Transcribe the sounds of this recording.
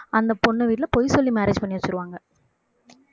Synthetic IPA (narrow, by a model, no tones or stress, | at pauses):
ɐnd̪ɐpɔɳːɐʋiːʈɪlɐpɔjsɔlːimɛːɾeːd͡ʒpɐɳːɪʋɐt͡ʃːɪɾɯʋaːŋɡɐ